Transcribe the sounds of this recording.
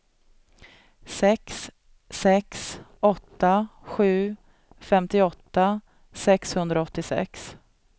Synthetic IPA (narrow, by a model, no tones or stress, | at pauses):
sɛksː | ɛksɔt̪ːaɧʉ̟ː | fɛmt̪ɪɔt̪ːa | sɛkshɵnd̪ɾaɔt̪ːɪsɛ̰ks